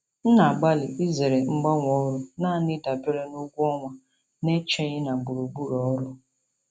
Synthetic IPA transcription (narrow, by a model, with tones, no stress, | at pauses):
n̩˦na˨ɡ͡ba˦lɪ˨ʔi˦ze˨ɾe˨ŋ͡m̩˦ɡ͡ba˦ŋʷɔ˦ɾʊ˦naː˦˨nɪ˦da˨be˦ɾe˦nʊ˦ɡʷu˦ɔ˦ŋʷa˨ | ne˦t͡ʃe˦ɲɪ˦na˨ɡ͡bu˨ɾu˨ɡ͡bu˦ɾɔ˨ɔ˦ɾʊ˦